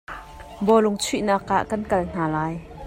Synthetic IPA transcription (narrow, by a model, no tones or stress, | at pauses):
bɔlʊŋt͡sʰiʔnaːka̰ʔkɐnkɐln̥aːlaːj